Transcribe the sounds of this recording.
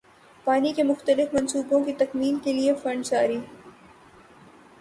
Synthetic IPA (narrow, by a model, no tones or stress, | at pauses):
paːnikemʊxt̪əlɪfmɐnsuːbõkit̪ɐkmiːnkeliefɐ̃ɳɖsaːɾiː